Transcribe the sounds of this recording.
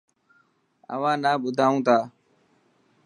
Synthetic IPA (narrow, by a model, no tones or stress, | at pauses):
ə̰ʋãːnaːɓʊd̪ʱaːũːt̪ʰaː